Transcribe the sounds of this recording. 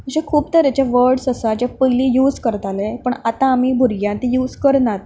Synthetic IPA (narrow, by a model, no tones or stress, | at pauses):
əɕẽkʰuːpt̪əɾjat͡ɕjaʋəɾɖsəsad͡ʑapəjliːjuːd͡zkəɾt̪alepəɳat̪ãːmibʱuɾɡjãnt̪ijuːd͡zkəɾnat̪